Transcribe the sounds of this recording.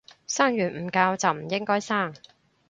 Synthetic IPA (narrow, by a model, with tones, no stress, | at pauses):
saː˥ŋjyː˨˩nm̩ː˨˩kaː˧wt͡sɐ˨wm̩˨˩jɪ˥ŋkɔː˥jsaː˥˩ŋ